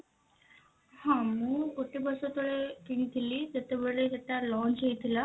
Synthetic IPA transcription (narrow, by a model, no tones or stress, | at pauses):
hãməːkoʈibəsot̪oɭekiɽ̃it̪ʰilit̪ət̪ebeɭlet̪aʈ̪alɔnd͡ʑejt̪ʰila